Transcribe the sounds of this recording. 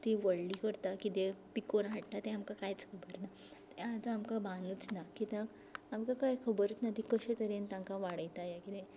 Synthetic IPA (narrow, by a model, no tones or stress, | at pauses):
t̪iʋəɭlikəɾt̪akit̪epikonɦaʈːat̪eamkakajt͡skʰəbəɾna | t̪ead͡zamkabãnut͡snakit̪ãk | amkakajkʰəbəɾət͡snat̪ikəɕet̪əɾent̪ãŋkaʋaɽəjt̪ajakit̪e